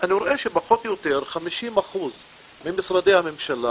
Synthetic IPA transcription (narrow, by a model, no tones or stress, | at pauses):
ʔanɾˤʔeːʃibaħot̪jʊt̪iːɾxamiʃiːnmaxuːz | mɪnmːɪsˤɾˤɑd̪iːhamɪmʃalːa